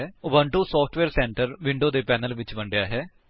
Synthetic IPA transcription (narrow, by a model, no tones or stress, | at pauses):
ʊbə̃ɳʈusɔːpʰʈʰʋeːɾsɛ̃ːɳʈəɾʋɪ̃ɳɖoːd̪eːpɛːnəlʋɪt͡ʃbɐɳɖjaːɦɛː